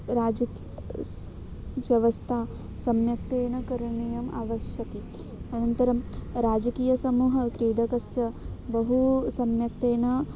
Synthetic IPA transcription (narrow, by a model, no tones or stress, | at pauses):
ɾaːd͡ʒɐk | ʋjɐʋɐst̪ʰaː | sɐmjɐk̚t̪eːɳɐkɐɾɐɳijɐma̰ːʋɐʃjɐki | ɐnɐnt̪ɐɾɐmɾaːd͡ʒɐkiːjɐsɐmuːɦɐkɾiːɖɐkɐsjɐbɐɦusɐmjɐkt̪eːnɐ